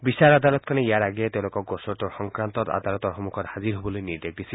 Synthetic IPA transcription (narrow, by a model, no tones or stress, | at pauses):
bisaɾad̪alɔt̪kʰaneijaɾaɡiet̪elokɔɡosɔʈɔɾxɔŋkɾant̪ɔta̰d̪alɔt̪ɔɾxomukʰɔɾhaziɾɦobɔlojniɾd̪ek̚d̪isʰi